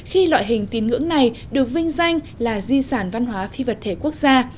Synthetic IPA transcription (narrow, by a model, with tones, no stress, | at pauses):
xi˧lwa̰ː˧˨jɦï˨˩ŋ̟t̪i˨˦nŋɨ̰˧˥əŋna˨˩jɗɨ˨˩ək̚vï˧ŋ̟za˧jŋ̟ | laː˨˩zi˧saː˧˩nva˧nɦwaː˨˦fi˧və˨˩t̚t̪ʰe˧˩ku˦˥ək̚zaː˧